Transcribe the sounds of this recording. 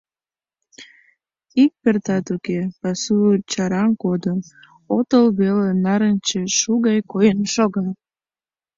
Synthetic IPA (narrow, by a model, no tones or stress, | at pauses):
ik̚pert̪ɑt̪ukepɑsuət͡ɕɑɾɑnkod̪əm | ot̪əlβelenɑɾənt͡ɕeʃuɣɑjkojənʃoɣɑ